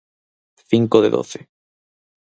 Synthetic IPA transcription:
θiŋkoðḛðo̰θe

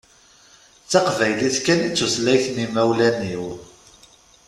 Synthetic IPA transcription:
t͡sːɑqvæjliθkænit͡sːuθlæjθnimæwlæniw

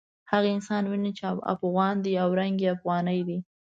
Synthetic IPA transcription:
haɣaɪnsɑnwinit͡ʃea̰fɣɑnd̪iawɾaŋɡeafɣɑnəjd̪i

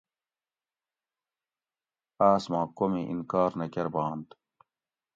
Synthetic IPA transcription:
aːsmɑ̃ːkomeʔḭnkaːɾnɐkɐɾbɑːnt̪

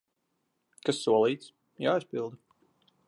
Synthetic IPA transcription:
kasːuɔlˠiːt̪s | jaːispilˠd̪u

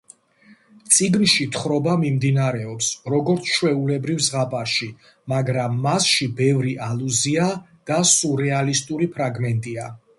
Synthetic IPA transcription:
t̪sʼiɡnʃit̪ʰχɾɔbamimd̪inaɾɛɔpsɾɔɡɔɾt̪sʰʃʰwɛulɛbɾivzʁapʼaɾʃi | maɡɾamːasʃibɛvɾiʔaluzia | d̪̥asuɾɛalist̪ʼuɾipʰɾaɡmɛnt̪ʼia

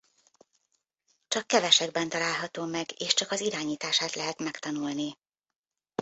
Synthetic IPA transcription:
t͡ʃɒkːɛvɛʃɛɡ̚bɛnt̪ɒlaːlɦɒt̪oːmɛɡeːʃt͡ʃɒkɒziɾaːɲiːt̪aːʃaːt̪lɛɦɛt̪mɛkt̪ɒnulni

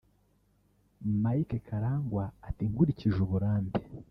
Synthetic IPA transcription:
maikekʰaɾaːŋɡwaːtiŋɡuɾiciʒuβuɾaːmbe

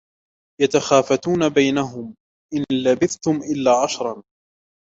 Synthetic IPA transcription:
jat̪axaːfat̪uːnabajnaɦʊm | ʔɪnlabɪθt̪ʊmʔɪlːaːʕɑʃɾˤɑn

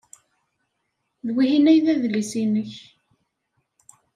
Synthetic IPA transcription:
ðwihinæjðæðlisinəç

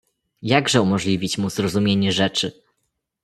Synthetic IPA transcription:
jaɡʐɛumɔʐlʲivʲit͡ɕmuzɾɔzumʲjeɲɛʐɛt͡ʂɘ

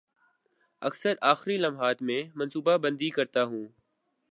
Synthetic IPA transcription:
əksəɾaːxɾiːləmɦaːt̪mẽːmənsuːbaːbə̃nd̪iːkəɾt̪aːɦũː

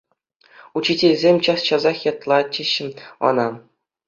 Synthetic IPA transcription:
ut͡ɕːitʲelʲzʲemʲt͡ɕɑst͡ɕɑzɑχjɑt̪lˠɑt͡ɕiɕːɘ̆ɤ̰nɑ

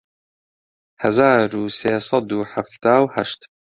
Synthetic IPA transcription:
hɐzaːɾuːseːsɑd̪uːħaft̪aːwhaʃt̪

